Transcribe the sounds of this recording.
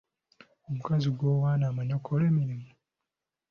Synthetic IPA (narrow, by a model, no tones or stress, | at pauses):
omukaziɡwoːwaːnaːmaɲokʰoleːmiɾimu